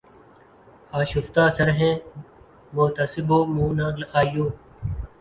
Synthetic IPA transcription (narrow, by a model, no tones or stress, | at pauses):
aːʃʊft̪aːsəɾɦẽː | mʊːt̪əsɪboːmũːnãːləʔaːjoː